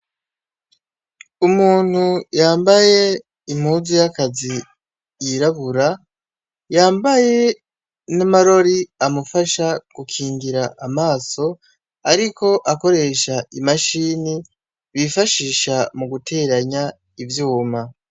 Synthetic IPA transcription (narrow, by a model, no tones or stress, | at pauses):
umuːn̥hujaːmbaje̞ | im̥huːzijakazi | jiɾaβuɾa | jaːmbaje̞ | namaɾo̞ɾiamufaʃaɡ̥ukʰiːŋɡiɾaʔamaːso̞ | aɾiko̞ʔako̞ɾe̞ʃaimaʃiːni | βifaʃiʃamuɡutʰe̞ːɾaɲa | ivjuːma